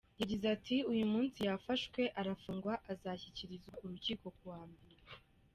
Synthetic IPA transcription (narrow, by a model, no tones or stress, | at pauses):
jaɟizatʰiujumuːnsijafaʃkwe̞ʔaɾafuːŋɡwaʔazaçiciɾizauɾuciːko̞kuwaːmbeɾe